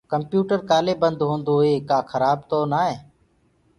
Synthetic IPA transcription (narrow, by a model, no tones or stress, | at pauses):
kəmpjuːʈəɾkaːleːbənd̪ɦõːnd̪oːɦeːkaːkʰəɾaːb̚t̪oːnaːeː